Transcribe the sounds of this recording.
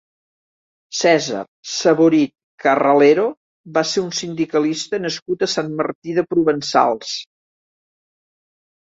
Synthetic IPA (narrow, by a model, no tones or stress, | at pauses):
sɛzə̰rsəβoɾit̪̚ | kərəleɾo | baseunsind̪ikəlist̪ənəskut̪əsanmərt̪iðəpɾuβənsa̰lˠs